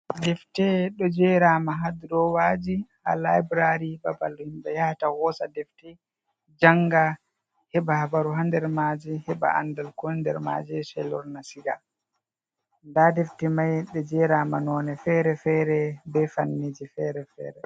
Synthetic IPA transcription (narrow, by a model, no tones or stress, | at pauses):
dɛftɛɗɔd͡ʒɛɾaːmaɦad̪iɾɔwaːd͡ʒiha̰labɾaɾibabalɔhimbɛjahatawɔsadɛftɛ | d͡ʒaŋɡa | hɛbahabaɾuɦandɛɾmad͡ʒɛhɛba̰a̰ndalkɔndɛ̰ɾma̰ːd͡ʒɛʃɛ̰lɔ̰ɾnasiɡa | ndadɛftɛmajɗɛd͡ʒɛɾaːmanɔːnɛfɛɾɛfɛːɾɛbɛfanːid͡ʒifɛɾɛfɛ̰ːɾɛ